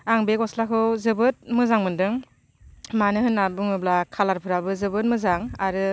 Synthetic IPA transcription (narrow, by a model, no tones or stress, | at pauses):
aŋbekɔslakʰɯwzɯbɯt̚mɯzaŋmɯndɯŋ | manɯɦɯnːabuŋɯblakʰalaɾpʰɯɾabɯzɯbɯt̚mɯzaŋaɾɯ